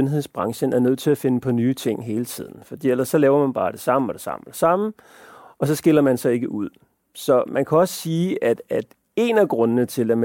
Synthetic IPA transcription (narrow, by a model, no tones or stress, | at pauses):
ønɦe̝ð̰ˠsb̥ʁɑ̈ŋɕənæɐnøð̞̰ˠt͡sʰe̝læfe̝nəpʰɒ̽nyːt͡sʰe̝ŋ̰ɦe̝ːlət͡sʰḭð̞̰ˠn̩fɒ̽d̥ḭːelɐsːɒ̽lɛːʊɐmænb̥ɑ̈ːd̥e̝sɑ̈m̰əɒ̽d̥e̝sɑ̈mɒd̥esɑ̈m | ɒ̽sɒ̽sɡ̥e̝lɐmænsɒ̽e̝ɡ̥əʔuð̰ˠ | sɒ̽mʔænkʰæɒ̽sə̥siːæd̥æd̥ | e̝næɡ̥ʁɔ̽nənət͡sʰe̝læm